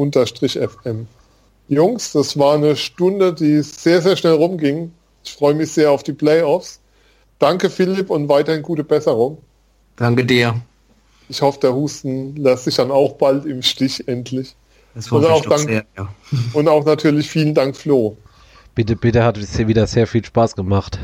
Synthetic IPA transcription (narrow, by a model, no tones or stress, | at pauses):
ʔʊntɐʃtʁ̥ɪçʔɛfɛm | jʊŋsd̥asv̥aːɐnəʃtʊndədiːz̥eːɐzeːɐʃnɛlʁʊmɡɪŋ | ɪçfʁ̥ɔʏəmɪçz̥eːɐaʊfd̥iːpl̥ɛɪɔfs | d̥aŋkəfɪlɪpʊntvaɪtɐhɪnɡuːtəbɛsəʁ̞ʊŋ | d̥aŋkədiːɐ | ɪçhɔfəd̥eːɐhuːstn̩lɛstz̥ɪçd̥anaʊxb̥altɪmʃtɪçʔɛntʰlɪç̥ | sʊnaʊxdaŋːɐaʊntaʊxnatʰyːɐlɪçfiːləndaŋkfloː | b̥ɪtəb̥ɪtəhatviːdɐz̥eːɐfiːlʃpaːsɡ̥əmaχt